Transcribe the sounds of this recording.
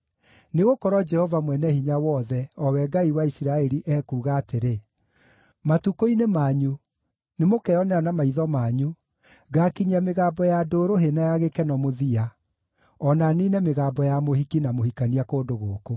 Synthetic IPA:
neɣokɔɾɔd͡ʒɛhɔvamwɛnɛhiɲawɔːðɛɔwɛɡaiwaisiɾaɛɾiʔɛkuːɣaːteɾe | matukoinemaɲu | nemokɛɔnɛanamaiðɔmaːɲu | ɡakiɲiameɣaːbɔjadoːɾoɦenajaɣekɛnɔmoðia | ɔnaniːnɛmeɣaːmbɔjamohikinamohikaniakoːndoɣoːko

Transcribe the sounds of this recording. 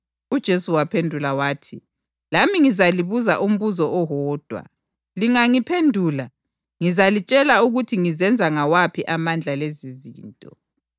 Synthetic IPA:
ud̥ʒ̥ʱesuwapʰendʱulawaːtʰi | lamiŋizaliβuza̰ʔum̩βuzɔʔɔɦɔːd̥ʱwa̰ | liŋaŋipʰendʱuːla | ŋizalit͡ʃʼɛlauɣutʰiŋizɛnd͡zʱaŋawapʰiʔamand͡ɮʱalezizḭːntʼɔ̰

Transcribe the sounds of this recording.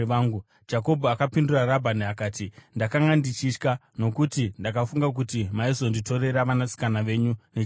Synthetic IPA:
aŋɡu | d͡ʒako̞bʱoakapinduraɾabʱaniakaːtindakaŋɡandit͡ʃit͡ʃka | no̞kutindakafuŋɡak̬utimaizo̞ndito̞ɾe̞ɾaʋanasi̥kanaʋe̞ɲune

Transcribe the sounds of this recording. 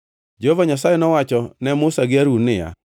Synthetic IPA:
d͡ʒohovaɲas̬ajɛnɔwat͡ʃɔnɛmʊsaɡɪaɾunɪja̰

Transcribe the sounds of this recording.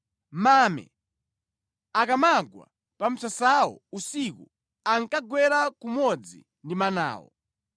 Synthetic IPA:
mamɛ̰ | akamaɡwa̰ | pam̩sasawɔ̰usikṵ | aŋkaɡwɛɾakumɔd͡zḭ | ndimana̰ːwɔ̰

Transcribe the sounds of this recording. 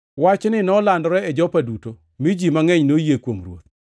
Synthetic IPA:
wat͡ʃnɪnɔlandɔɾɛɛd͡ʒɔpaduto | mid͡ʒimaŋɛɲnojekwoŋrwo̰t̪̚

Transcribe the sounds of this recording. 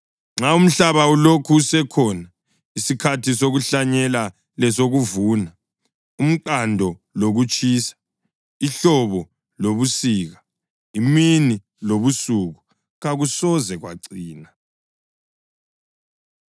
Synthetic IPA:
ŋ͡ǁaum̩ɬaβaulokʰuːsɛkʰɔːna | isikʰatʰisoɣuɬaɲɛla | lɛsoɣuvuːna | um̩ǃandʱɔloɣut͡ʃʼʰiːsḁ | iɬɔβɔ | loβusiɣa | imini | loβusuɣu | ɣaɣusɔzɛɣwa̰ǀiːna

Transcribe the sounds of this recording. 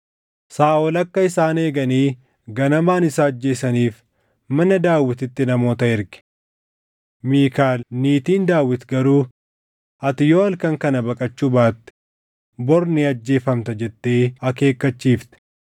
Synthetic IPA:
saːɔlɐkːɐɪsaːne̞ːɡɐniː | ɡɐnɐmaːnɪsaːɐd͡ʒːe̞ːsɐniːf | mɐnɐd̪aːwːɪt̪ɪt̪ːɪnɐmo̞ːt̪ɐɪɾɡɪ̥ | miːkaːlniːt̪iːnd̪aːwːɪt̪ɡɐɾuː | ɐt̪ɪjo̞ːɐlkɐŋkɐnɐbɐkʼɐt͡ʃːuːbaːt̪ːɪ̥ | bɔɾniɐd͡ʒːe̞ːfɐmt̪ɐd͡ʒɛt̪ːe̞ːɐke̞ːkːɐt͡ʃːiːft̪ɛ̥

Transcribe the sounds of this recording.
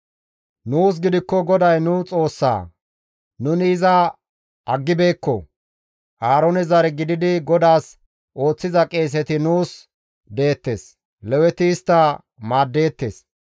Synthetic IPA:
nuːs̬ɡɪd̪ɪkːɔɡɔd̪ɐjnʊt͡sʼo̞ːsːa̰ː | nʊnɪːzɐ | ɐɡːɪbe̞ːkːɔ | ʔaːɾɔnɛzɐɾɛɡɪd̪ɪd̪ɪɡɔd̪aːs | ʔo̞ːt͡sːɪzɐkʼe̞ːs̬ɛt̪ɪnuːs | d̪e̞ːt̪ːe̞ːs | lɛwɛt̪ɪːst̪ːɐ | maːd̪ːe̞ːt̪ːḛːs

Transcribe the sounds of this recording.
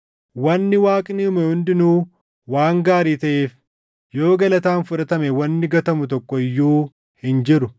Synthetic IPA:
wɐnːɪwaːkʼɪniʊmɛhʊnd̪ɪnuː | waːŋɡaːɾiːt̪ɐʔeːf | jo̞ːɡɐlɐt̪aːnfʊᶑɐt̪ɐmɛwɐnːɪɡɐt̪ɐmʊt̪ɔkːɔɪjːuː | hɪnd͡ʒɪɾʊ

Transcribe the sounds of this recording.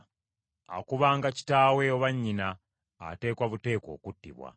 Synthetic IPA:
a̰kuβaːŋɡaci̥taːwe̞oβaɲːina̰ː | te̞ːkwaβute̞ːko̞̰ːkutːḭβwa̰

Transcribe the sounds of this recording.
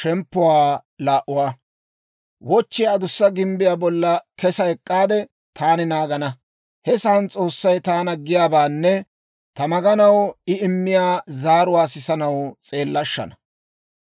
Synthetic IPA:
ʃɛmpːʊwaːlaːʔʊwaː | wɔt͡ʃːɪjaːd̪ʊsːɐɡɪmbɪjaːbɔlːɐkɛsɐɛkʼːaːd̪ɛ | t̪ʰaːnɪnaːɡɐnɐ | hɛsant͡sʼo̞ːsːɐjt̪aːnɐɡːɪjaːbaːnːɛ | t̪ɐmɐɡɐnɐwɪɪmːɪjaːzaːɾʊwaːsɪsɐnɐwt͡sʼe̞ːlːɐʃːɐ̰nɐ

